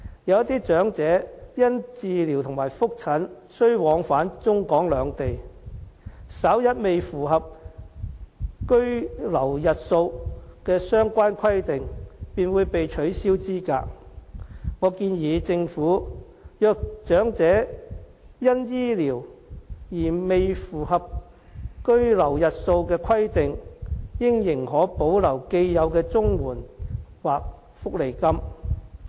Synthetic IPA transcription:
jɐ˨˧wɐ˥t̪iː˥t͡ʃœː˨˥ŋt͡sɛː˨˥jɐ˥nt͡siː˨˧li˨˩wt̪ʰʊ˨˩ŋmaː˨˩jfʊ˥k̚t͡sʰɐ˨˥n | sɵ˥ɥwɔː˨˧ŋfaː˨˥nt͡sʊ˥ŋkɔː˨˥ŋlœː˨˧ŋt̪e˨j | sɐ˨˥wjɐ˥t̚me˨jfuː˨˩ɦɐ˨p̚ | kɵ˥ɥlɐ˨˩wjɐ˨t̚so˧wkɛː˧sœː˥ŋkʷaː˥nkʰɐ˥jt̪ɪ˨ŋpiː˨nwu˨˧jpe˨jt͡ʃʰɵ˨˥ɥsiː˥wt͡siː˥ka̰ː˧k̚ | ŋɔː˨˧kiː˧njiː˨˧t͡sɪ˧ŋfuː˨˥ | jœː˨k̚t͡ʃœː˨˥ŋt͡sɛː˨˥ | jɐ˥njiː˥liː˨˩wjiː˨˩me˨jfuː˨˩hɐ˨p̚ | kɵ˥ɥlɐ˨˩wjɐ˨t̚so˧wkɛː˧kʰɐ˥jt̪ɪ˨ŋjɪ˥ŋjɪ˨˩ŋɦɔː˨˥po˨˥wlɐ˨˩wke˧jjɐ˨˧wkɛː˧t͡sʊ˥ŋwuː˨˩nwaː˨k̚ | fʊ˥k̚le˨˩jkɐ˥m

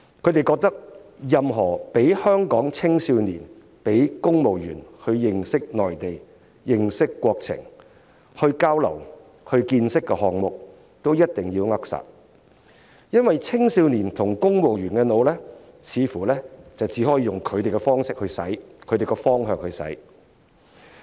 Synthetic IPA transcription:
kʰɵ˨˧t̪e˨jkɔː˧k̚t̪ɐ˥k̚jɐ˨mɦɔː˨˩pe˨˥jhœː˥ŋkɔː˨˥ŋt͡sʰɪ˥ŋsiː˧wniː˨˩n | pe˨˥jkʊ˥ŋmo˨wjyː˨˩nhɵ˧ɥjɪ˨ŋsɪ˥k̚nɔː˨jt̪e˨j | jɪ˨˩ŋsɪ˥kːwɔː˧k̚t͡sʰɪ̰˨˩ŋ | hɵ˧ɥkaː˥wlɐ̰˨˩w | hɵ˧ɥkiː˧nsɪ˥kːɛ˧ɦɔː˨ŋmʊ˨k̚ | t̪o˥wjɐ˥t̚t̪ɪ˨ŋjiː˧wŋɐ˥k̚sa̰ː˨˩t̚ | jɐ˥nwɐ˨jt͡sʰɪ˥ŋsiː˧wniː˨˩nt̪ʰʊ˨˩ŋkʊ˥ŋmo˨wjyː˨˩nkɛ˧no˨˧wlɛː˥ | t͡sʰiː˨˧fuː˨˩lɛː˥t͡sɐ˨wt͡siː˨˥ɦɔː˨˥jiː˨˧jʊ˨ŋkʰɵ˨˧ɥt̪e˨˩jkɛ˧fɔː˥ŋsɪ˥k̚hɵ˧ɥsɐ̰˨˥jkʰɵ˨˧t̪e˨˩jkɛ˧fɔː˥ŋɦœː˨ŋ̚hɵ˧ɥsɐ̰˨˥j

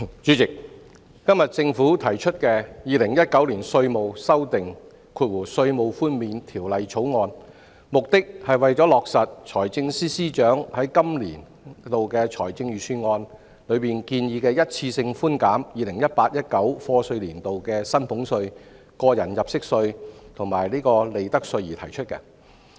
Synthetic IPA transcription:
t͡sy˨˥t͡sɪ˨k̚ː | ɐ˥mjɐ˨t̚t͡sɪ˧ŋfuː˨˥t̪ʰɐ˨˩jt͡ʃʰɵ˥t̚kɛː˧jiː˨lɪ˨˩ŋjɐ˥t̚kɐ˨˥wliː˨˩nsɵ˧ɥmo˨wsɐ˥wt̪ɪ˨ŋ | kʰuː˨˧t̚wuː˨˩sɵ˧ɥmo˨wfuː˥nmiː˨nt̪ʰiː˨˩wlɐ˨jt͡ʃʰo˨˥wŋɔː˧n | mʊ˨k̚t̪ɪ˥k̚hɐ˨jwɐ˨jt͡ʃɔː˨˥lɔː˨k̚sɐ˨t̚t͡ʃʰɔː˨˩jt͡sɪ˧ŋsiː˥siː˥t͡ʃœː˨˥ŋhɐ˨˥jkɐ˥mliː˨˩n | t̪o˨wkɛː˧t͡ʃʰɔː˨˩jt͡sɪ˧ŋjyː˨sʰyː˧ŋɔː˧n | lɵ˨˧ɥpiː˨nkiː˧njiː˧kɛː˧jɐ˥t̚t͡sʰiː˧sɪ˧ŋfuː˥nkaː˨˥mjiː˨lɪ˨˩ŋjɐ˥t̚paː˧t̚jɐ˥t̚kɐ˨˥wfɔː˧sɵ˧ɥliː˨˩nt̪o˨wkɛː˧sɐ˥npʰʊ˨˥ŋsɵ˧ɥ | kɔː˧jɐ˨˩njɐ˨p̚sɪ˥k̚sɵ˧ɥt̪ʰʊ˨˩ŋmaː˨˩jliː˥kɔː˧le˨jt̪ɐ˥k̚sɵ˧ɥjiː˨˩t̪ʰɐ˨˩jt͡ʃʰɵ˥t̚kɛ̰˧

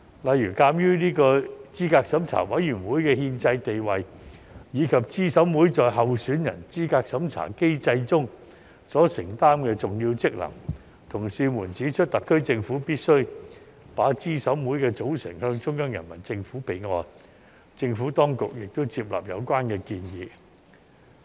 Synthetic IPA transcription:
lɐ˨jɥyː˨˩kaː˧mjyː˥niː˥kɔː˧t͡siː˥kaː˧k̚sɐ˨˥mt͡sʰa̰ː˨˩wɐ˨˥jjyː˨˩nwuː˨˥jkɛː˧hiː˧nt͡sɐ˧jt̪e˨jwɐ˨jjiː˨˧kʰɐ˨p̚t͡siː˥sɐ˨˥wmuː˨˥jt͡sɔː˨˧jɦɐ˨wsyː˨˥njɐ̰˨˩nt͡siː˥kaː˧k̚sɐ˨˥mt͡sʰa̰ː˨˩ke˥jt͡sɐ˧jt͡sʊ˥ŋ | sɔː˨˥sɪ˨˩ŋt̪aː˥mkɛː˧t͡sʊ˨ŋjiː˧wt͡sɪ˥k̚lɐ̰˨˩ŋ | t̪ʰʊ˨˩ŋsiː˧muː˨˩nt͡siː˨˥t͡ʃʰt̚t̪ɐ˨˩kʰːɵ˥ɥt͡sɪ˧ŋfuː˨˥piː˥t̚sɵ˥ɥ | paː˨˥t͡siː˥sɐ˨˥wmuː˨˥jkɛː˧t͡so˨˥wsɪ̰˨˩ŋhœː˧ŋt͡ʃʊ˥ŋkɔː˥ŋjɐ̰˨˩nmɐ̰˨˩nt͡sɪ˧ŋfuː˨˥pe˨˩jŋɔː˧n | t͡sɪ˧ŋfuː˨˥t̪ɔː˥ŋkʊ˨k̚jɪ˨k̚t̪o˥wt͡siː˧p̚la̰˨p̚jɐ̰˨˧wkʷwaː˥nkɛː˧kiː˧njiː˨˧

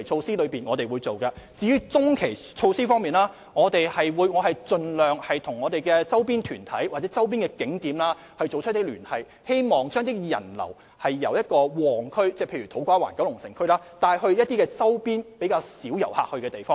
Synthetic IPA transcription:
jt͡sʰo˧wsiː˥lɵ˨˧ɥpiː˨˩nŋɔː˨˧t̪e˨jwu˨˧jt͡so˨wkɐː˧t͡siː˨˧jyː˥t͡sʊ˥ŋkʰe˨˩jt͡sʰo˧wsiː˥fɔː˥ŋmiː˨nlaː˥ | ŋɔː˨˧t̪e˨jhɐ˨jwuː˨˧jŋɔː˨˧ɦɐ˨jt͡sɵ˧nlœː˨ŋhɐ˨jt̪ʰʊ˨˩ŋːɔː˨˧t̪e˨jkɛː˧t͡sɐ˥wpiː˥nt̪ʰyː˨˩nt̪ʰɐ˨˥jwaː˨t̚t͡sɛː˨˦˥t͡sɐ˥wp̬iː˥nŋkɛ˧kɪ˨˥ŋt̪iː˨˥mlaː˥ | hɐ˨jt͡so˨wt͡ʃʰɵ˥t̚t̪ːe˥lyː˨˩nhɐ˨j | he˥jmɔː˨˩ŋt͡ʃœː˥ŋt̪̬ɪ˥jɐ̰˨˩nlɐ̰˨˩w | hɐ˨jːɐ̰˨˩wjɐ˥t̚kɔː˧wɔː˨˩ŋkʰɵ˥ɥt͡sɛː˥pʰe˧jɥy˨t̪ʰo˨˥wkʷaː˥wa̰ː˨˩nkɐ˨˥wlʊ˨˩ŋsɪ̰˨˩ŋkʰɵ˥ɥlaː˥t̪aː˧jɦɵ˧ɥjɐ˥t̪̚iː˥kɛː˧t͡sɐ˥wpiː˥npe˨˥jkaː˧wsiː˨˥wjɐ̰˨˩wha̰ː˧k̚hɵ˧kɛː˧t̪e˨jfɔː˥

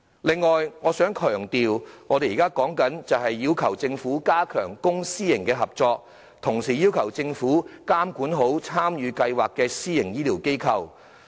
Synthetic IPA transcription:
lɪ˨ŋːɔː˨jŋɔː˨˧sœː˨˥ŋkʰœː˨˩ŋt̪iː˨wŋɔː˨˧de˨jiː˨˩kaː˥kɔː˨˥ŋkɐ˨˥nt͡sɐ˨wɦɐ˨jːiː˧wkʰɐ˨˩wt͡sɪ˧ŋfuː˨˥kaː˥kʰœː˨˩ŋkʊ˥ŋsiː˥jɪ˨˩ŋkɛː˧ɦɐ˨p̚t͡ʃɔː˧k̚ | t̪ʰʊ˨˩ŋsiː˨˩jiː˥wkʰɐ˨˩wt͡sɪ˧ŋfuː˨˥kaː˥mkuː˨˥nɦo˨˥wt͡sʰaː˥mjyː˨˧kɐ˧jwaː˨kːɛː˧siː˥jɪ˨˩ŋjiː˥liː˨˩wke˥jkʰɐ˧w

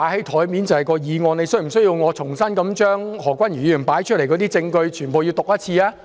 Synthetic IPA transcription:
aː˨˧jhɐ˨˥jt̪ʰɔː˨˥jmiː˨˥nt͡sɐ˨whɐ˨˩jkɔː˧jiː˨˧ŋɔː˨˧ne˨˧jsɵ˥ɥm̩˨˩sɵ˥ji˧wŋɔː˨˧t͡sʰʊ˨˩ŋsɐ˥nkɐ˨˥mt͡ʃœː˥ŋhɔː˨˩kwɐ˥nɥyː˨˩jyː˨˩npaː˨˥jt͡ʃʰt̚le˨˩jkɔː˨˧t̪i˥t͡sɪ˧ŋkɵ˧ɥt͡ʃʰyː˨˩npo˨wji˧wt̪ʊ˨k̚jɐ˥t̚t͡sʰiː˧aː˥

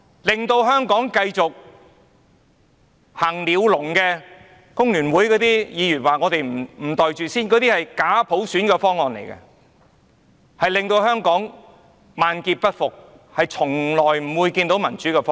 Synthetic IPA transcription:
lɪ˨ŋt̪o˧wɦœː˥ŋkɔː˨˥ŋkɐ˧jt͡sʊ˨k̚ | haː˨˩ŋliː˨˧wlʊ˨˩ŋkɛː˧ | kʊ˥ŋlyː˨˩nwuː˨˥jkɔː˨˥t̪iː˥jiː˨˧jyː˨˩waː˨ŋɔː˨˧t̪e˨jm̩˨˩m̩˨˩t̪ɔː˨jt͡ʃyː˨siː˥nkɔ˨˧˥t̪iː˥hɐ˨jkaː˨˥pʰo˨˥wsyː˨˥nkɛː˧fɔː˥ŋːɔː˨nlḛ˨˩jkɐ̰˧ | hɐ˨jlɪ˨ŋt̪o˧whœː˥ŋkɔː˨˥ŋ | maː˨˧nkiː˧t̚pɐ˥t̚fʊ˨k̚ | hɐ˨jt͡sʰʊ˨˩ŋlɔː˨˩jm̩˨˩wuː˨˧jkiː˧nt̪o˨˥wmɐ˨˩nt͡ʃyː˨˥kɛ˧fɔː˥

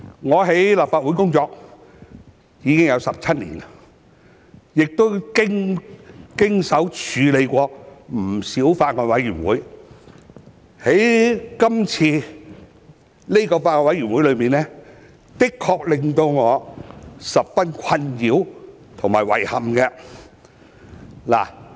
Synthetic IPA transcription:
ŋɔː˨˧ɦe˨˥jlaː˨pfaː˧t̚wu˨˥jkʊ˥ŋt͡sɔː˧k̚ | jiː˨˧kɪ˥ŋjɐ˨˧wsɐ˨p̚t͡sʰɐ˥t̚lḭː˨˩n | jɪ˨k̚t̪o˥wkɪ˥ŋ | kɪ˥ŋsɐ˨˥wt͡ʃʰyː˨˧le˨˧jkʷɔː˧m̩˨˩siː˨˥wfaː˧t̚ŋɔː˨˧n̚wɐ˨˥jɥy˨˩nwuː˨˥j | he˨˥jkɐ˥mt͡sʰiː˧ | le˥kɔː˧faː˧t̚ŋɔː˧nwɐ˨˥jɥyː˨˩nwu˨˥jlɵ˨˧ɥmiː˨˩nlɛː˥ | t̪ɪ˥kʰːɔː˧k̚lɪ˨˧ŋt̪o˧wŋɔː˨˧sɐ˨p̚fɐ˥nkʰɐ˧njiː˨˧˥w | t̪ʰʊ˨˩ŋmaː˨˩jwɐ̰˨˩jhɐ˨mkɛ˧ | la̰ː˨˩

